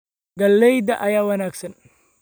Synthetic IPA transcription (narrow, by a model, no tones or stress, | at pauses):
ɡɐlːɛjd̪ɐʔɐjaːwɐnaːɡsɐn